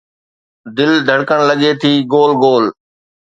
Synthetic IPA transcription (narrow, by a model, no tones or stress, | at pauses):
d̪ɪld̪ʱəɽkəɽ̃lɐɠeːt̪ʰiːɡoːlɡoːl